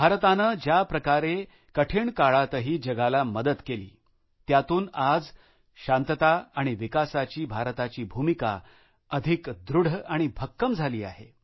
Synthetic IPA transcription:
bʱaɾt̪anəːd͡ʑjapɾəkaɾe | kəʈʰeɳkaɭat̪əɦiːd͡ʑəɡalaməd̪ət̪kelḭː | t̪jat̪uːnad͡z | ɕant̪ət̪aaɽ̃iʋikasat͡ɕiːbʱaɾt̪at͡ɕiːbʱumika̰ | əd̪ʱikd̪ɾuɽ̤əaɽ̃ibʱəkːəmd͡zʱaliːa̰ɦe

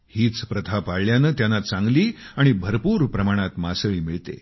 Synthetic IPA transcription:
hiːt͡spɾət̪ʰapaɽljanət̪janːat͡sãŋɡliːaɽ̃ibʱəɾpuːɾpɾəmaɽ̃at̪masəɭiːmiɭt̪ḛ

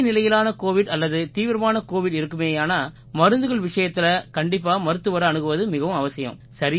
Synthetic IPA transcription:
nɪlɐjɪlaːnɐkoːʋɪɽɐlːɐðɯt̪iːʋɪɾɐmaːnɐkoːʋɪɽɪɾɯkːɯmeːjaːnaː | mɐɾɯnd̪ɯɣɐɭʋɪʂɐjɐt̪ːɪlɐkɐɳɖɪp̬ːaːmɐɾɯt̪ːɯʋɐɾɐɐnɯɣɯʋɐðɯmɪɣɐʋɯ̃mɐʋɐsɪjɐ̰̃msɐɾɪ

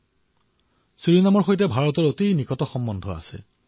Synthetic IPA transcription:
suɹinamɔɹxojt̬ɛbʱaɹɔtɔɹotinikɔtɔxɔmbɔndʱɔa̰sɛ̰

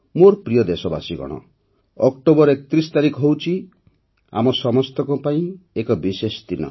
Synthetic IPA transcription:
moɾpɾijɔd̪esɔba̰siɡɔ̰ɽ̃ɔ̰ | ɔkʈobɔɾekɔt̪ɾist̪aɾikɔɦowt͡ʃʰi | a̰mɔsɔmɔst̪ɔkupaĩekɔbisesd̪inɔ̰

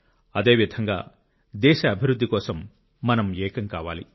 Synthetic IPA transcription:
ɐd̪eːʋid̪ʱɐŋɡa̰ː | d̪ɛːʃɐːbʱiɾud̪ːikɔːsɐmː | ɐnɐmɛːkɐŋkaːʋa̰ːlḭ

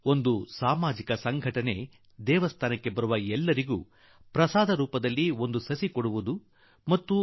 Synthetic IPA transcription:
o̞nd̪usaːmaːd͡ʒikɐsɐŋɡʱɐʈɐne̞ | d̪ɛːʋɐst̪ʰaːnɐkːe̞bɐɾuʋɐɛlːɐɾiɡṵː | pɾɐsaːd̪ɐɾuːpɐd̪ɐlːio̞nd̪usɐsikoɽuʋud̪u | mɐt̪ːu

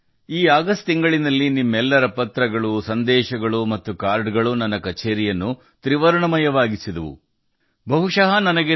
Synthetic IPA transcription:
iːaːɡɐst̪iŋɡɐɭinɐlːinimːɛlːɐɾɐpɐt̪ɾɐɡɐɭusɐnd̪ɛːʃɐɡɐɭumɐt̪ːukaːɾɖɡɐɭunɐnːɐkɐt͡ʃeːɾijɐnːu | t̪ɾiʋɐɾɐɳɐmɐjɐʋaːɡisid̪ɐʋṵ | bɐɦuʂɐɦɐnɐnɐɡe

